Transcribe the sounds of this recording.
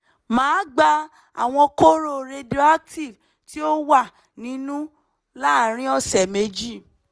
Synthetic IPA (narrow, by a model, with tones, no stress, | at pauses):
mãː˨˦ɡ͡ba˧ | a̰˨w̃ɔ̃˧ko˦ɾo˦˨ɾe˧do˦a˦k̚ti˦˨v | ti˦o˦wa˦˨ | nĩ˨˦nũ˦ | la˦˨ɾ̃ĩ˦ɔ˦sɛ˨me˧d͡ʒi˦˨